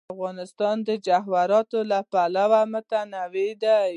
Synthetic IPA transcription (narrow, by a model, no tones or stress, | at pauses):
fɣɑnɪst̪ɑnd̪əd͡ʒaɦwaɾɑt̪olapalawamət̪anawed̪a